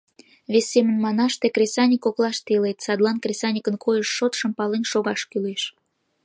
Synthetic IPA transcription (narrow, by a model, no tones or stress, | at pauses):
βesːemənmɑnɑʃt̪ekrʲesɑnʲikoklɑʃt̪elet̪sɑd̪lˠɑnkrʲesɑnʲikənkʰojəʃːot̪ʃəmpɑlenʃoɣɑʃkyleʃ